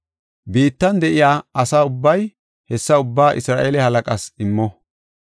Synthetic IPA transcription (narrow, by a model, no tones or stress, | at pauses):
biːt̪ːɐnd̪ɛʔɪjaːɐsaːʊbːɐj | hɛsːɐʊbːaːʔɪsɾaːʔeːlɛhɐlɐkʼɐsɪmːɔ